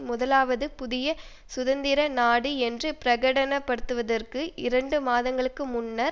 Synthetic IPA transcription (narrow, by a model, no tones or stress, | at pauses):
mʊðɐlaːʋɐðɯpʊðɪjɐ | sʊðɐnd̪ɪɾɐnaːɽiɛndrɯpɪɾɐɣɐɽɐnɐpːɐɽɯt̪ːɯʋɐðɐrkɯʔɪɾɐɳɖɯmaːðɐŋɡɐɭɯkːɯmʊnːɐɾ